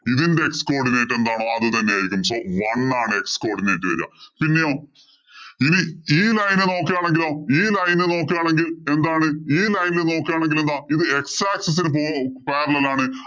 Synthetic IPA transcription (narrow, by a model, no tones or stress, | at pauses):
iðinde̞eksko̞ːrɖineːjʈːe̞nd̪aːɳoːɐðɨt̪ɐnːejaːjiɾikʲːumso̞ːʋɐɳːaːɳɨe̞ksko̞ːrɖineːjʈːɨʋɐ̰ɾ̰a̰pinːe̞jo̞ː | iniiːlɐjnɨno̞ːkːjaːɳe̞ŋɡilo̞ːiːlɐjnɨno̞ːkːaːɳe̞ŋɡile̞nd̪aːɳɨiːlɐjnilno̞ːkːjaːɳe̞ŋɡilend̪aːiðɨe̞ksaːksɐs̬inɨp̬oːpeːɾɐlɐlaːɳɨ